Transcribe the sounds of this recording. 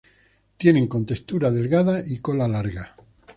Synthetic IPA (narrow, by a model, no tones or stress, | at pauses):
t̪je̞ne̞ŋko̞nt̪e̞st̪uɾaðe̞lɣaðaʔiko̞lalaɾɣa